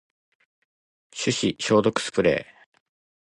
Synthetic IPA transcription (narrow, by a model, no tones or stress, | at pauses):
ɕɨɕiɕo̞ːd̪o̞kɯ̥sɨ̥pɯ̟ɾe̞̰ː